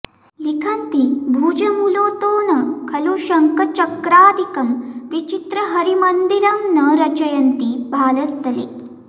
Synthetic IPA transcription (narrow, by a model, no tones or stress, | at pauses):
likʰɐnt̪ibʱuːd͡ʒɐmuloːt̪oːnɐkʰɐluʃɐŋkɐt͡ʃɐkɾaːd̪ʱikɐmʋit͡ʃit̪ɾɐɦɐɾimɐnd̪iɾɐmnɐɾɐt͡ʃɐjɐnt̪ibʱaːlɐst̪ɐlḭ